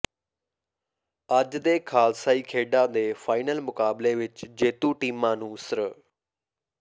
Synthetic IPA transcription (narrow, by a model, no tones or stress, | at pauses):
əd͡ʒd̪eːkʰaːlsaːiːkʰeːɖãːd̪eːfʰaːɪnəlmʊkaːbleːʋɪt͡ʃd͡ʒeːt̪uːʈiːmãːnũːsəɾə